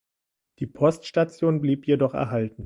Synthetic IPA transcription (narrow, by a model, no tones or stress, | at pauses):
d̥iːpʰɔstʃtat͡sjoːnbliːpjedɔχɛ̰ɐɦaltn̩